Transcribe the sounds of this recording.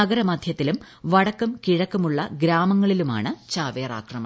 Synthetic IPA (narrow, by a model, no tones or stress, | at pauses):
ɐɡɐɾɐmɐd̪ʱjɐt̪ːilum | ʋɐɽɐkːumkiɻɐkːumuɭːɐɡɾaːmɐŋːɐɭiluma̰ːɳɨt͡ɕaːʋeːɐra̰ːkrɐmɐ